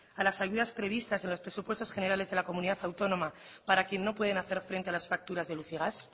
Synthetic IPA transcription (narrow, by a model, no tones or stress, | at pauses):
alasaʝuðaspɾe̞β̞ist̪ase̞nlo̞spɾe̞supwe̞st̪o̞sχe̞ne̞ɾalezðe̞lako̞mũniðaθawt̪o̞no̞ma | paɾakje̞nːo̞pwe̞ð̞e̞naθe̞ɾfɾe̞nt̪e̞alasfak̚t̪uɾazðe̞luθiɣ̞as